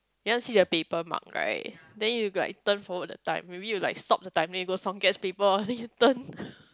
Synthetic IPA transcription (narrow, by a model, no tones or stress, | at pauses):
jukãnsiːdəpepəmã̰ŋɹa̰ɪt̚dɛ̃njula̰ɪk̚tə̃nfɔwət̚dətã̰ɪ̃mːebijulaɪkstɔp̚dətãɪ̃mdɛ̃njuɡosɔ̃ŋɡɛtspepəɔdɛ̃njutə̃n